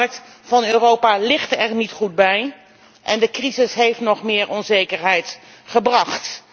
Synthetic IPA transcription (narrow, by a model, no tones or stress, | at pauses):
rək̚t | v̥ɑnøːrowpaːlɪχtɛrnitχud̚bɛj | ʔɛndəkrizɪsɦejftnɔχmɪːɹʔɔnzejkəɹɦɛjt | χəbrɑχt